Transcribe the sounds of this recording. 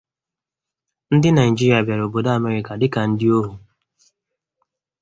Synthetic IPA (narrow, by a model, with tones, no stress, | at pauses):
n̩˦dɪ˦na˨i˨d͡ʒi˦ɾi˨˦a˨bja˨ɾo˨bo˨da˦a˦˨me˨ɾɪ˨ka˨dɪ˦ka˨n̩˦dɪ˦o˦ɦu˨